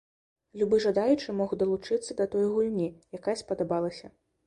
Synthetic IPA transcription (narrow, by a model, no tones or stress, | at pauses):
lʲubɨʐɐd̪ajut͡ʂɨmɔxd̪ɐlˠut͡ʂɨt̪sːɐd̪ɐt̪ɔjɣulʲnʲijakajɐspɐd̪abalˠɐsʲɐ